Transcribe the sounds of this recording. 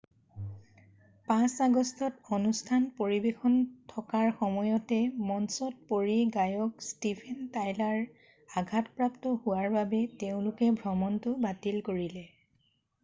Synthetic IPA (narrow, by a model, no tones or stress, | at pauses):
pãsaɡɔstʰɔtonustʰanpoɹibexɔntʰɔkaɹxɔmɔjɔtɛmɔnsɔt̚poɹiɡajɔkstipʰɛntajlaɹ | aɡʱatpɹaptɔhʊwaɹbabɛteʊ̃lʊkɛbʱɹɔmɔntʊbatilkoɹilɛ